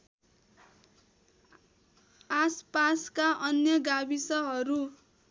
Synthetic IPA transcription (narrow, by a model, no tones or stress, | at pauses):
aspaskaʔʌnjʌɡabisʌɦʌɾu